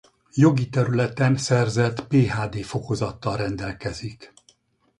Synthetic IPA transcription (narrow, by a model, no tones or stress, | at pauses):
jo̞ɡit̪ɛɾylɛt̪ɛnsɛrzɛt̪peːɦaːd̪eːfo̞ko̞zɒt̪ːɒlrɛnd̪ɛlkɛzik